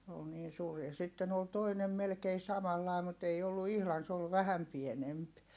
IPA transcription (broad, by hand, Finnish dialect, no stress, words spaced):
s oːl niːn suːr jɑ sitːen ol toinem melkei sɑmɑlːɑˑi̯ mut ei olːu ihlɑn s ol ʋæhæm pienemp